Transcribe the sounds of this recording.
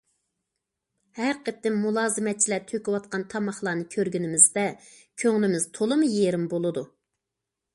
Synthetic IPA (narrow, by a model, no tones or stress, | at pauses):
hæɾqət̪ːɪmːulˠɑːzɨmɛt̪̚t͡ʃʰilɛt̪ʰøkʲiwɑt̪̚qɑnt̪ʰɑmɑχlˠɑːnɨkʲʰøɾɡʲynɪmɪzd̪ɛ | kʲʰøŋlɪmɪz̥t̪ʰolˠɨmɨjeɾɪmbolˠɨd̪u